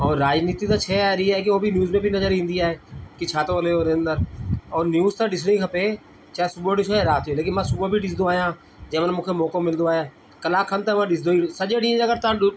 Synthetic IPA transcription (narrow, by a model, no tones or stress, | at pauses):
ɔːɾːaːd͡ʒniːt̪it̪ãːt͡ʃʰɛːaːɾiaːɦek̬iobʱinjuːzmẽbʱinɐzəɾĩːnd̪iaːɦeːkit͡ʃʰaːt̪õəleoːɾeə̃nd̪əɾɔːɾnjuːzt̪ãɗɪsɽĩkʰəpe | t͡ʃaːɦesʊboɖɪsaːeɾaːt̪joleːkɪnmãːsʊbobʱiɖɪsd̪õaːjãː | d͡ʒeːmənmʊ̃ːkʰemɔːkõmɪld̪õaːjãː | kəlaːkʰːənt̪ãmãɗɪsd̪oːisəd͡ʒeɖĩəɡəɾt̪ã